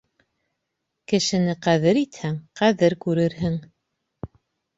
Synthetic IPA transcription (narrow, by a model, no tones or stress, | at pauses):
kɘ̆ʃɘ̆nɘqæðɘɾit̪hæŋqæðɘɾkʉɾɘɾɦɘŋ